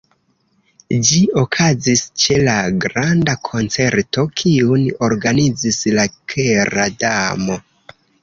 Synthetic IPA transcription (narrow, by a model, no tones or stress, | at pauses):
d͡ʒio̞kʰazist͡ʃe̞laɡɾandakʰo̞nt͡se̞ɾto̞kʰiuno̞ɾɡanid͡zislakʰeɾadamo̞